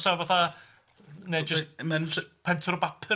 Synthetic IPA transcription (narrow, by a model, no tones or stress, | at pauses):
savaθa | nejd͡ʒəsmənɬpʰɛntʰɔɾɔbapʰə